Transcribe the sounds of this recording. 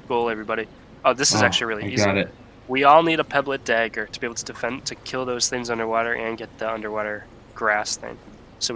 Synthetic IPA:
ɡ̥oʊlˠɛvɹibɑɾi | oʊðɪsɨzæk̚t͡ʃʉl̩ˠiɹɪlˠiizɾɨt̚ | wiɔlˠniɾəpʰɛblˠɨt̚d̥æɡə˞ɾʰəb̥iebl̩ˠtʰədɨfɛ̃ntʰɨkʰɪlˠðoʊz̥θɪ̃ŋzʌ̃ndə˞wɔɾə˞ʔɨ̃nɡɛt̪̚ðiʌ̃ndə˞wɔɾə˞ | ɡ̥ɹæsθɪ̰̃ŋ | soʊ

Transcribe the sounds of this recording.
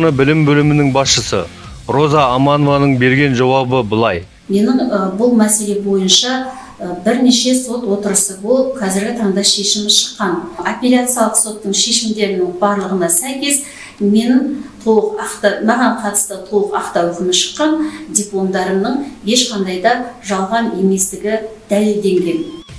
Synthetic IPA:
nəbɪlɪmbɵlɪmɪnɪŋbɑsʃəsə̰ | ɾo̞zɑːmɑnovɑnəɴbe̞ɾɡʲe̞nʒɑwɑbəbəlˠɑj | me̞nɪɴbʊlˠmæse̞le̞bo̞jənʃɑ | bɪɾne̞ʃe̞so̞t̪wo̞t̪əɾəsəbolˠəp̚qʰɑzɪɾɡʲɪt̪ʰɑɴd̪ɑʃe̞ʃɪmɪʃə̥qːɑnopʲelʲat̪sɨjɑlˠəqso̞t̪ːəɴʃe̞ʃɪmd̪e̞ɾɪnɪŋbɑɾlˠəʁənɑsæjkʲe̞z | me̞nɪŋt̪ʰolˠəqɑqt̪ɑnɑʁɑɴqʰɑt̪ə̥st̪ət̪ʰolˠəqɑqt̪ɑwʏkʲɪmɪʃə̥qːɑnd̪ʲeplˠo̞md̪ɑɾəmnəɴe̞ʃqʰɑnd̪ɑjd̪ɑʒɑlˠʁɑne̞me̞st̪ɪɡʲɪd̪̥æle̞ld̪e̞ŋɡʲe̞n

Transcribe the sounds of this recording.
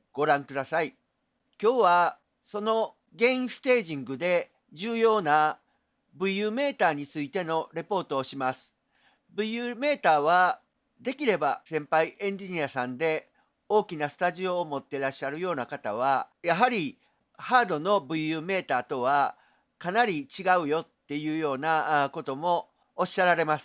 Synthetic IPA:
ɡ̥o̞ɾãŋkɯ̟d̪asai | kʲo̞ːβa | so̞no̞ | ɡẽ̞ĩsɨ̥t̪e̞ːʑĩŋɡɯ̟d̪e̞ | d͡ʑɨːjo̞ːna | bɯ̟ijɯːme̞ːt̪aːɲ̟it͡sɨit̪e̞no̞ɾe̞po̞ːt̪o̞ːɕimasɨ̥ | bɯ̟ijɯːme̞ːt̪aːβ̞a | d̪e̞kʲiɾe̞basẽ̞mpaiʔẽ̞ɲ̟d͡ʑiɲ̟iasãnd̪e̞ | o̞ːkʲinasɨ̥t̪aʑio̞ːmo̞t̪ːe̞ɾaɕːaɾɯ̟jo̞ːnakat̪aβajaɦaɾʲi | haːd̪o̞no̞bɯ̟iɯːme̞ːt̪aːt̪o̞βa | kanaɾʲit͡ɕiɡaɯ̟jo̞t̪ːe̞jɯ̟ːjo̞ːnako̞t̪o̞mo̞ː | ɕːaɾaɾe̞masɨ̥

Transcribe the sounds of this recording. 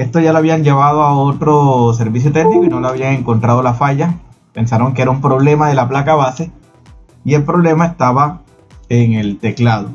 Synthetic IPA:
est̪oʝaloaβiaɲɟeβaðoao̞t̪ɾo̞s̬e̞ɾβis̬jot̪e̞knikoinoloaβiaŋe̞ŋko̞nt̪ɾað̞o̞lafaʝa | pe̞nsaɾo̞ŋk̬eeɾaumpɾo̞βle̞maðe̞laplakaβase | ie̞lpɾo̞βle̞mae̞st̪aβa | eŋe̞lt̪e̞klaðo

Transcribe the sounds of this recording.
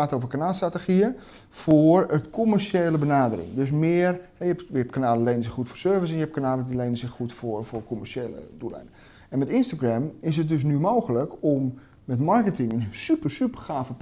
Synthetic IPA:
aːtoːvərkanaːlˠstratəxiə | forətkʰomərʃeːləbənaːdərɪ̰ŋdøs̬mɪərhɛjəɛpjəɛpkanaːləlejnəsɪxxutfoːrsøːrvəs̬ɛnjəɛp̚kanaːlədilejnəsɪxxutforforkomərʃeːlə̰dulɛ̰jnə | ɛnmɛtɪnstaɡrɛmɪs̬ət̚døs̬nymoːɣələkʰɔmː | ɛtmɔrkətɪŋənsypərsypərχaːfəp

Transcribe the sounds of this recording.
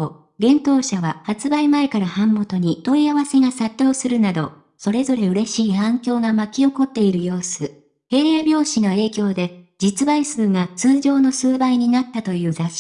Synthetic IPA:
ɡẽ̞nt̪o̞ːɕaβahat͡sɨbaimae̞kaɾahãmːo̞t̪o̞ɲ̟it̪o̞iaβase̞ɡasat̪ʲːo̞ːsɨɾɯ̟nad̪o̞ | so̞ɾe̞zo̞ɾe̞ɯ̟ɾe̞ɕiːhãŋkʲo̞ːɡamakʲio̞ko̞t̪ːe̞iɾɯ̟jo̞ːsɨ | he̞ːɾjabʲo̞ːɕinoe̞ːkʲo̞ːd̪e̞d͡ʑit͡sɨbaisɨːɡat͡sɨːʑo̞ːno̞sɨːbaiɲ̟inat̪ːat̪o̞jɯ̟ːzaɕi̥

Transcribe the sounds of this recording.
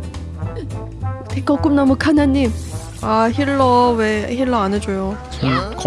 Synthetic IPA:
tʰek͈ʌk͈ɯmnamukʰanaɲːim | açiɭːʌweçiɭːʌanɯd͡ʑojo | k

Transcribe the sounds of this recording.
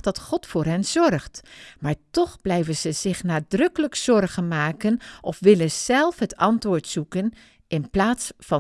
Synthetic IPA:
dɑtχɔtfʊːɹɦɛnz̥ɔrχtmaːɹtɔχblɛjvənzəz̥ɪχnaːdrɵkələkz̥ɔrχənmaːkənʔɔfʋɪlənz̥ɛlˠfɦətɑntʋʊːɹtsukən | ʔɪnplaːtsfɑ

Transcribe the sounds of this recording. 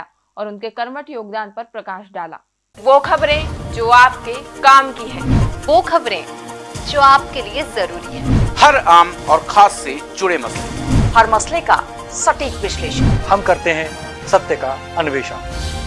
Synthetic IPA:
ɔːɾʊnkekɐɾməʈjoːɡ̚d̪aːnpɐɾpɾɐkaːʃɖaːla̰ː | ʋoːkʰɐbɾẽd͡ʒoːaːp̚kekaːmkiɦɛ̃ːʋoːkʰɐbɾẽd͡ʒoːaːp̚keliezɐɾuːɾiɦɛ̃ːhɐɾaːmɔːɾkʰaːsːed͡ʒʊɽemɐslehɐɾmɐsleka̰ | sɐʈiːkʋɪʃleːʃənhɐmkɐɾt̪eɦɛ̃ | sɐt̪jəka | ɐnʊʋeːʃə̰n

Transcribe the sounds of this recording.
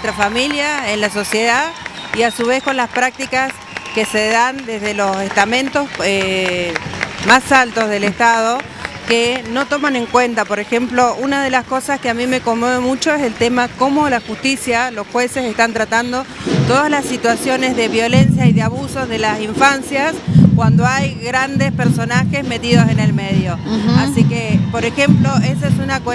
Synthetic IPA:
et̪ɾafamiljaenlaso̞sje̞ðaðiasuβ̞e̞sko̞nlaspɾak̚t̪ikas | ke̞seðand̪e̞zðelo̞se̞st̪amẽ̞nt̪o̞se | masalt̪o̞zð̞e̞lest̪að̞o̞ | keno̞t̪o̞mane̞ŋkwe̞nt̪apo̞ɾe̞xe̞mplo̞unað̞e̞lasko̞saskeamĩme̞ko̞moðemut͡ʃo̞eselt̪emako̞mo̞laxust̪isjalo̞sxwe̞sesest̪ant̪ɾat̪and̪o̞t̪o̞ð̞azlasːit̪wasjo̞ne̞zðe̞βjo̞le̞nsjaiðeaβuso̞zðe̞lasiɱfansjaskwand̪oajɣɾand̪e̞speɾso̞naxe̞zme̞t̪iðo̞se̞ne̞lmeðjo̞asikepo̞ɾexe̞mplo̞esoesunak

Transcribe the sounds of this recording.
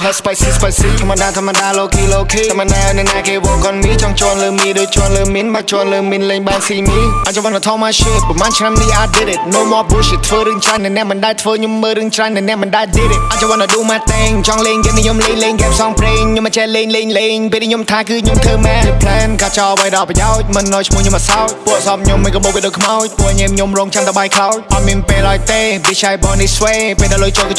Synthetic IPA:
ɦəspajsispajsit̪ʰamːaɗaːt̪ʰɔmːaɗaːloːkʰiːloːkʰiːmːaɗaːnɛnaːkeːʋɔːkonmiət͡ɕɑŋt͡ɕɔənləːmiəɗoːc̚t͡ɕɔənləːmiənɓat͡ɕɔənləːmiənleːŋɓaːŋsiːmiʔac̚t͡ɕaʋɔnat̪ʰɔːmaːʃiət̪̚pɑmaːnt͡ɕʰnamniʔaːt̪̚ɗiɾit̪̚noːmɔpbuʃit̪ʰʋəːɾɨːəŋt͡ɕranɨnɛ̆əʔmɨnɗaɛt̪ʰʋəːɲomːəːɾɨəŋt͡ɕrannɨnɛ̆əʔmɔnɗaɛɗiɾit̪̚ʔac̚t͡ɕaʋɔnaɗuːmaːt̪aɛŋt͡ɕɑŋleːŋkət̪̚niɲomleːŋleːŋkaɛmsɑŋpreːŋɲomʔat͡ɕɛleːŋleːɲleːŋpeːlniɲomt̪ʰaːkɨːɲomt̪ʰɨːmɛlpʰlaənkaːt͡ɕɑːʔʋəjɗɑlpajaɔc̚mɨnːajt͡ɕʰmuəhɲomʔasawcpuəʔsɑːp̚ɲomːəkəɓokiət̚ɗoːckʰmawj̚puəʔɲiənɲomrɔːŋt͡ɕant̪əɓaːjkʰlaɔjʔɑt̪̚miənpeːlaɔjt̪eːɓit͡ɕajɓɑːnisʋeːpeːlɗalojt͡ɕoːk

